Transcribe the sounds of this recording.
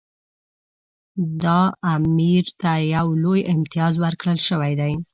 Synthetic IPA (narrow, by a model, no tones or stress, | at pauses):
d̪ɑamiɾt̪ajawlojɪmt̪ɪjɑzwəɾkɽəlʃəwajd̪aj